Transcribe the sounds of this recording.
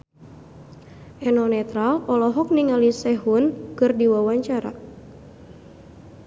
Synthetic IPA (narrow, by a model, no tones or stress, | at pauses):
ʔɛnɔnɛt̪ɾalɔlɔɦɔk̚niŋalisɛɦunkɨrdiwawaɲt͡ʃaɾa̰